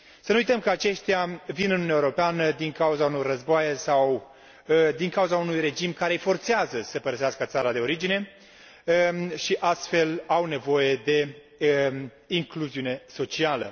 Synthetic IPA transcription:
sənujt̪əmkəat͡ʃe̞ʃt̪ʲjavinɨnuunjaeoɾo̞peanəd̪iŋkauzauno̞rrəzboajesaw | d̪iŋkauzaunujre̞d͡ʒimkaɾejfo̞rt̪seazəsəpəɾəseaskət̪saɾad̪e̞o̞ɾid͡ʒine̞ | ʃiʔast̪fe̞lawne̞vo̞je̞d̪e̞ | iŋkluziune̞so̞t͡ʃialə̰

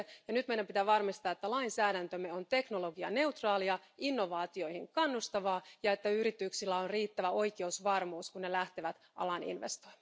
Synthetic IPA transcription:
jɑnyt̪mejdæmpit̪æːʋɑrmist̪ɑːet̪ːælɑinsæːɾænt̪ømːeo̞nt̪e̞kno̞lo̞ɡiɑ̰ne̞uwt̪rɑːliɑinːo̞ʋɑːt̪io̞ihiŋkɑnːust̪ɑʋɑːjɑe̞t̪ːæyɾit̪yksilːæonriːt̪ːæʋæo̞ike̞usʋɑrmuːskunːelæht̪eʋæt̪ | ʔɑ̰lɑnḭnʋḛst̪o̥jmm

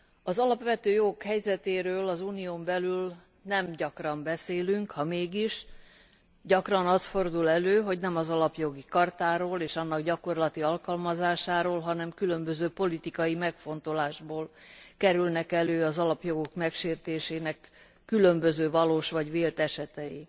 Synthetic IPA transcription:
ɒzɒlɒpʋɛt̪øːjo̞ɡokhɛjzɛt̪eːɾøːlɒzuːnijoːmbɛlyl | nɛmɟɒkrɒmbɛseːlyŋkhɒmeːɡiʃ | ɟɒkrɒnɒst̪fo̞rd̪ulɛløːɦo̞ɟnɛmɒzɒlɒpjo̞ɡikɒrt̪aːɾoːleːʃɒnːɒɡɟɒko̞rlɒt̪iɒlkɒlmɒzaːʃaːɾoːlɦɒnɛmkylømbøzøːpo̞lit̪ikɒjimɛkfo̞nt̪o̞laːʒboːlkɛɾylnɛkɛløːɒzɒlɒpjo̞ɡo̞kmɛkʃeːrt̪eːʃeːnɛkː | ylø̞mbøzøːvɒloːʃʋɒɟʋveːlt̪ɛʃɛt̪ɛjḭ

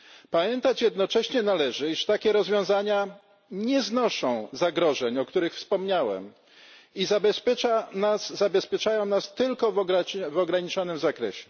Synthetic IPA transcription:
pamʲjɛnt̪at͡ɕjɛd̪nɔt͡ʂɛɕɲɛnalɛʐɘiʂt̪akʲɛɾɔzvʲjɔ̃w̃zaɲa | ɲɛznɔʂɔ̃w̃zaɡɾɔʐɛɲɔkt̪uɾɘxfspɔmɲawɛ̰m | izabɛspʲjɛt͡ʂanaszabɛspʲjɛt͡ʂajɔ̃w̃nast̪ɘlkɔvɔɡavɔɡɾaɲit͡ʂɔnɘmzakɾɛ̰ɕɛ̥

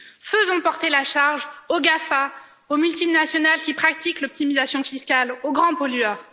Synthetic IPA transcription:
fəzɔ̃pɔʁt̪elaʃaʁʒoɡafa | omylt̪inasjɔnalkʲipχak̚t̪iklɔp̚t̪imizasjɔ̃fiskaloɡʁɑ̃pɔlɥœːʁ

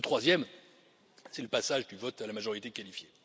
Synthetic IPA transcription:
ət̪χwazjɛm | sɛləpasaʒd̪yvɔt̪alamaʒɔʁit̪ekalifje

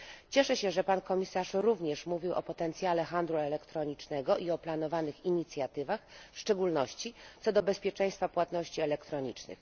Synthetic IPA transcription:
t͡ɕɛʂɛɕɛʐɛpankɔmʲisaʂɾuvɲɛʂmuvʲiwʔɔpɔt̪ɛnt̪sʲjalɛxand̪luɛlɛkt̪ɾɔɲit͡ʂnɛɡɔʔiɔplanɔvanɘxiɲit̪sʲjat̪ɘvaxfʂt͡ʂɛɡulnɔɕt͡ɕit̪sɔd̪ɔbɛspʲjɛt͡ʂɛ̃j̃st̪fapwat̪nɔɕt͡ɕiɛlɛkt̪ɾɔɲit͡ʂnɘ̰x

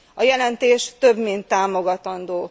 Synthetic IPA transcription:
ɒjɛlɛnt̪eːʃt̪øbmint̪ːaːmo̞ɡɒt̪ɒnd̪oː

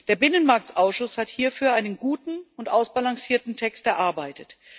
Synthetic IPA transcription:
d̥eːɐbɪnənmaɐk̚tʔaʊsʃʊshathiːɐfyːɐʔaɪnənɡuːtn̩ʊntʔaʊsb̥alaŋsiːɐtn̩tʰɛkstʔɛɐʔaɐbaɪtət

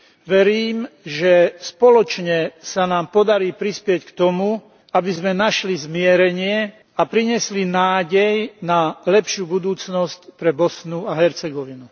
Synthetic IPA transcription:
ʋɛɾiːmʒɛspɔlɔt͡ʃɲɛsanaːmpɔd̪aɾiːpɾispɪɛckt̪ɔmu | abizmɛnaʃlizmɪɛɾɛɲɪɛ | apɾiɲɪɛslinaːɟɛjnalɛpʃuːbud̪uːt͡snɔscpɾɛbɔsnuaɦɛɾt͡sɛɡɔʋinu

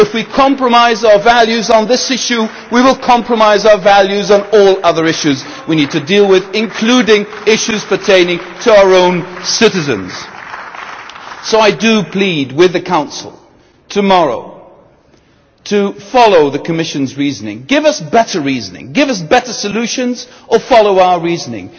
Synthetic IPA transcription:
ɨfwikʰɑ̃mpɹəmaɪzaʊə˞vælˠjʉzn̩ðɪsɪʃʉ | wiwəlˠkʰɑ̃mpɹəmaɪzaʊə˞vælˠjʉzn̩ɔlˠʌðə˞ɪʃʉz | winid̚tʰɨdilˠwɪðɨ̃nkʰl̥udɪ̃ŋ | ɪʃʉz̥pʰə˞tʰẽɪ̃nɪ̃ŋtʰɨaʊə˞õʊ̃nsɪɾɨzɨ̰̃nz̥ | soʊaɪdɨpʰl̥id̚wɪðɨkʰãʊ̃nsl̩ˠ | tʰɨmɑɹo̰ʊ | tʰɨfɑlˠoʊðɨkʰɨmɪʃɨ̃nzɹiznɪ̰̃ŋɡɪvʌsb̥ɛɾə˞ɹiznɪ̰̃ŋɡɪvʌs̬b̥ɛɾə˞sɨlʉʃɨ̃nz | ʔə˞fɑlˠoʊaʊə˞ɹiznɪ̰̃ŋ

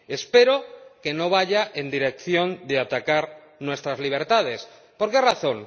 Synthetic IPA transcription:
e̞spe̞ɾoke̞no̞β̞aʝaʔe̞nd̪iɾe̞k̚θjõ̞nd̪eat̪akaɾ | nwe̞st̪ɾazliβ̞e̞ɾt̪að̞e̞s | po̞ɾkeraθo̞ŋ

